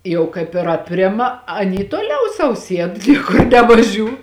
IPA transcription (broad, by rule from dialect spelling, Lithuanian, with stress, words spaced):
ˈjɛʊ kɐɪp ɪr ɐpʲˈrʲɪmɐ ɐˈnʲiː tuɔˈlʲɛʊ sɐʊ ˈsʲiɛt ˈnʲiɛkʊr nʲɛʋɐˈʒʲuː